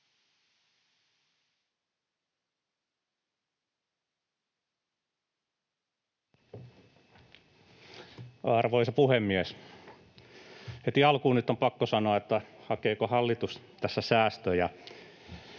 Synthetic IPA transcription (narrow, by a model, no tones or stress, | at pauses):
ɑrʋoisɑpuhemːies | het̪iɑlkuːnyt̪ːompɑkːosɑnoɑet̪ːæhɑkeːkohɑlːit̪us | t̪æsːæsæːst̪øjɑ